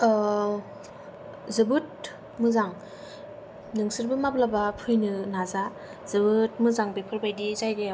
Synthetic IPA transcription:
zɯbɯt̚ | mɯzaŋ | nɯŋsɯɾbɯmaplabapʰɯjnɯnaza | zɯbɯt̚mɯzaŋbepʰɯɾbajdizajde

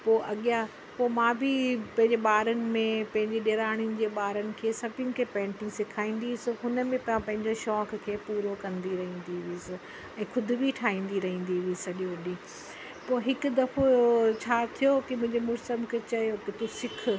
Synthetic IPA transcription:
poːʔɐɠija | poːmãːbʱipɐ̃ɦɪ̃ɲd͡ʑeɓaːɾənɪ̆mẽpɐ̃ɦɪ̃ɲd͡ʑeɗeːɾaːɽ̃ijʊnɪ̆d͡ʑeːɓaːɾənɪ̆kʰeːsɐbʱjʊnɪ̆kʰeːpɛ̃ːɳʈɪ̃ŋɡsɪkʰaːĩːn̆d̪isoɦʊnə̆mẽppɐ̃ɦɪ̃ɲd͡ʑoʃɔːkkʰeːpuːɾokɐ̃nd̪iɾɐɦĩːn̆d̪iʋɪsɪ | ɛ̃ːkʰʊd̪ʱɪ̆biʈʰaːɦĩːn̆d̪iɾɐɦĩːn̆d̪iʋisɐɗioːɗĩː | poːɦɪkʊ̆d̪ɐfot͡ɕʰaːt̪ʰijokimʊ̃ɦɪ̃ɲd͡ʑemʊɾsəmkʰeːt͡ɕɐjokit̪usɪkʰʊ̆

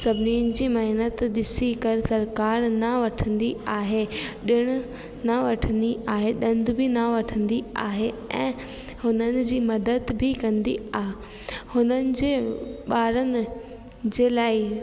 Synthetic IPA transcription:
sɐbʱɪniːʊnɪ̆d͡ʑiːmɐɦɪnət̪ɗɪsikɐɾsɐɾkaːɾnɐʋɐʈʰə̃nd̪iaːɦeɗɪɽ̃ʊ̆ | naʋɐʈʰə̃nd̪iʔaːɦeɗɐ̃nd̪ʊbʱɪnaʋɐʈʰə̃nd̪iaːɦeɛ̃ː | hʊnənɪ̆d͡ʑiːmɐd̪əd̪bʱɪkɐ̃nd̪iaɦ | hʊnənɪ̆d͡ʑeːɓaːɾənɪ̆ | d͡ʑeːlaːɪ

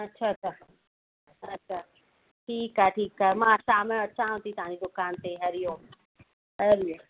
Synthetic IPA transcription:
ɐtːɕʰaɐt͡ɕʰa | ɐtːɕʰa | ʈʰiːkaːeʈʰiːkaːɦemãːsaːmj̃ɐt͡ɕãːɦõt̪it̪ɐʋ̤ãːd͡ʑid̪ʊkaːnt̪eɦɐɾijõː | ɦɐɾijõ

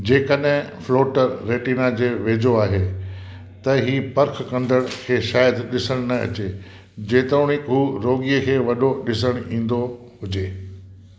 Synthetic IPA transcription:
d͡ʑeːkəɗɦɪ̃floːʈəɾːeːʈiːnad͡ʑeːʋeːd͡ʑoaːɦe | t̪ɐɦiːpɐɾkʰkɐ̃nɖ̪ʱəɽ̃kʰeːʃaːjəd̪ɗɪsəɽ̃nɐɐ̰t͡ɕe | d͡ʑeːt̪ɾoːɽ̃ɪkɦuːɾoːɠijəkʰeːʋɐɗoɗɪsəɽ̃ĩːn̆d̪o | ɦʊd͡ʑeː

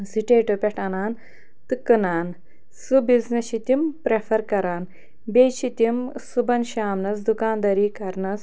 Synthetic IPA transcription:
siʈeːʈopʲɛʈʰɐnaːn | t̪ɨkːɨnaːn | subiznɐʃit̪impɾefʰɐɾkɐɾaːn | bet͡ʃit̪ʲimsubɐnʃaːmnɐsd̪ukaːnd̪ɐɾiːkɐɾnɐs

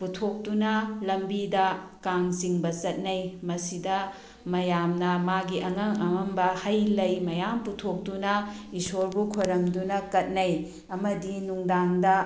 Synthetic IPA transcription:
putʰok̚tunɐlɐmbidɐkaŋsiŋbɐt͡ʃɐt̚nɐjmɐsidɐ | mɐjamnɐmaɡiʔɐŋɐŋɐŋɐmbɐhɐjlɐjmɐjamputʰok̚tunɐ | isoɾbukʰoɾɐmdunɐkɐt̚nɐj | ɐmɐdinuŋdaŋdɐ

